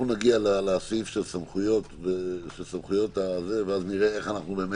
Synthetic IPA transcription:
nunaɡialaleasifʃe̞lsamχujo̞tveʃelsamχujo̞t̪aze̞veazniʁeeχanaχnube̞ːme

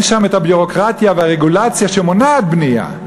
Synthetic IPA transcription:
nʃamethabjuʁo̞kʁat̪javehaʁeɡulat͡sjaʃemonaːd̪̚bnia̰

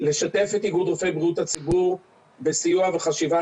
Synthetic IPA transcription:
le̞ʃat̪e̞fet̪iɡud̪ʁofejbʁiut̪at͡sibuʁ | besijuaveχaʃiva

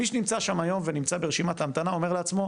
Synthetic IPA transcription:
miʃ̬enimt͡saʃamajo̞mvenimt͡sabeeʃimat̪amt̪anao̞meleat͡smo̞

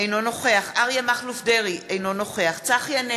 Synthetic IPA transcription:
ejno̞noχeaχaʁjamaχlufdeʁiejno̞no̞χeaχt͡saχjane

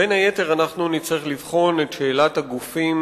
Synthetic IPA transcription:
enaje̞te̞ʁanaχnunit͡sʁeχlivχo̞netʃe̞ːlataɡufim

